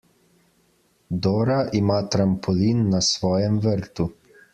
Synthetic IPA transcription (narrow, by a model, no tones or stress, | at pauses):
d̪oːɾaʔimaːt̪ɾampʰɔlinːasʋɔːjɛmʋəɾt̪u